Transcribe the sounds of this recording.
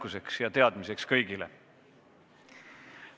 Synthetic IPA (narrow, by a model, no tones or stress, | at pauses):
kuse̞ksjɑt̪e̞ɑd̪̥mise̞kskɤjɡ̥ilḛ